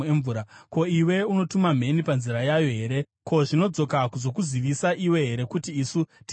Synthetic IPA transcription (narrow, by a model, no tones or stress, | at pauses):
eɱvuɾako̞iwe̞uno̞tumam̤e̞nipanziɾajajo̞ɦe̞ːɾe̞ | kʰo̞ʐino̞d͡zo̞kakuzo̞kuziʋisaʔiwe̞ɦe̞ɾe̞kutiːsut